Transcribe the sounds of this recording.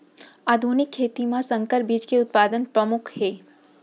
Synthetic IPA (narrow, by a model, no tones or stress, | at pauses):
ad̪ʱunɪkʰːeːt̪imãsə̃ŋkəɾbʱid͡ʒkeʊt̪̚pad̪ənpɾəmʊkʰhe